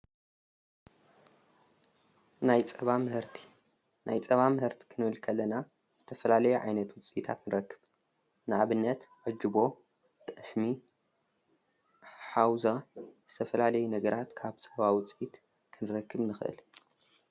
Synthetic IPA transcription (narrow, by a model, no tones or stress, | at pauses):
najt͡sʼɐβamɨhɨɾt̪ʰi̥ | nʔajt͡sʼɐβamɨhɨɾt̪ʰi̥kʰɨnɨβɨlkʰɐlːɐna | z̥ɨt̪ʰɐfɐlalɐjuʕa̰jnɐt̪wʊt͡sʼit̪ʰa̰t̪nɨɾɐkːɨ̥β | nɨʕaβɨnːɐt̪ʕɨd͡ʒɨbo̞ | t̪ʼɐsmi | ħawzazɨt̪ʰɐfɐlalɐjunɐɡɐɾat̪kʰaβt͡sʼɐβawʊt͡sʼit̪ | kʰɨnɨɾɐkːɨβnɨxʔɨ̰l